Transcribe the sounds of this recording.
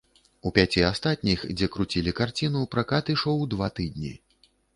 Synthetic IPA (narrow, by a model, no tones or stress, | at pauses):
upʲat͡sʲiast̪at̪̚ʲnʲixd͡zʲɛkɾut͡sʲilʲikart͡sʲinupɾakat̪iʂɔwd̪vat̪ɨd̪̚ʲnʲḭ